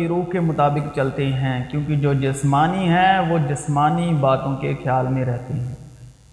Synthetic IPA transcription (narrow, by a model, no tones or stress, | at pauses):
iɾuːɦkemʊt̪aːbɪkt͡ʃɐlt̪eɦɛ̃ːkjõːkid͡ʒoːd͡ʒɪsmaːniɦɛ̃ʋod͡ʒɪsmaːnibaːt̪õkexjaːlmẽɾɛɦt̪eɦɛ̃ː